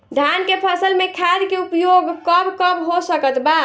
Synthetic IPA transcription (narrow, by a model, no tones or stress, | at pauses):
d̪ʱjankepʰəsəlmekʰad̪keupjoɡkəbkəbɦosəkət̪ba